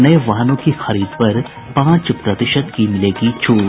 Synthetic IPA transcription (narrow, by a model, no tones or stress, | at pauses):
nɐeʋaːɦnõkixɐɾiːd̪pɐɾ | pãːt͡ʃpɾɐt̪ɪʃət̪kimɪleːɡit͡ʃʰoː